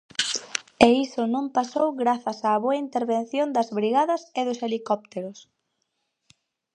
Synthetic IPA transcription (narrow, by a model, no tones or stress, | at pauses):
eisʊnõmpasowɣɾaθɐsaːβoɐint̪eɾβenθjond̪ɐzβɾiɣaðɐseðʊselikɔp̚t̪eɾʊs